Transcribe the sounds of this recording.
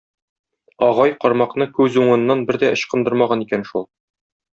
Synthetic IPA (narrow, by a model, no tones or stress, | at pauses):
ɒʁɑjqɒɾmɑqnɤkʉzuɴɤ̆nːɑnbɘɾd̪æʔŏɕqɤ̆nd̪ɤɾmɑʁɑnikænʃulˠ